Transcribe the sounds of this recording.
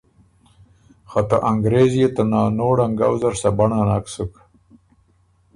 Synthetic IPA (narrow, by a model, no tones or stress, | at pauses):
xat̪a̰ʔaŋɡɾezjet̪anɑːnoːɽaŋɡawzaɾsabaɳanaksuk